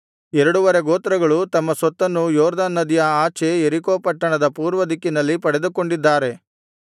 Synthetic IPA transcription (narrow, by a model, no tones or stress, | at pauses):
ɛɾɐɽuʋɐɾeɡoːt̪ɾɐɡɐɭut̪ɐmːɐsʋɐt̪ːɐnːujɔːɾd̪aːnːɐd̪ijɐaːt͡ʃeeɾikoːpɐʈːɐɳɐd̪ɐpuːɾʋɐd̪ikːinɐlːipɐɽe̞d̪uko̞ɳɖid̪ːaːɾe̞